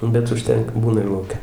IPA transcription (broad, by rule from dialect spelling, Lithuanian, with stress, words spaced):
bʲɛt ʊʃʲˈtʲɛŋkɐ ˈbuːnɐ ɪr lˠɐʊˈkʲɛ